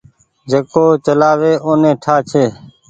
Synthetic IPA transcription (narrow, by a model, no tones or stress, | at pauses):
d͡ʒeːkoːt͡ʃəlaːʋeːʔoːnẽːʈʰaːt͡ʃʰeː